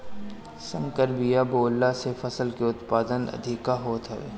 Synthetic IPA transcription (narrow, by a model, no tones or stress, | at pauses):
sə̃ŋkəɾbijaboːlːasefɐsəlkeʊt̪paːd̪ənɐ̰d̪ʱɪkaɦoːt̪ɦɐʋḛː